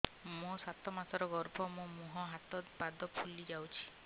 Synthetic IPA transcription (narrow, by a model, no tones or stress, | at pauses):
mũsat̪ʰɔmasɔɾɔɡɔɾbʱɔmũmuɦɔɦat̪ɔt̪bad̪ɔpʰulid͡ʒawt͡ʃʰi̥